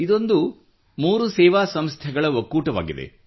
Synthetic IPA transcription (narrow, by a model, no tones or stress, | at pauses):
id̪o̞nd̪u | muːɾusɛːʋaːsɐmst̪ʰɛɡɐɭɐʋɐkːuːʈɐʋa̰ːɡid̪e̞̰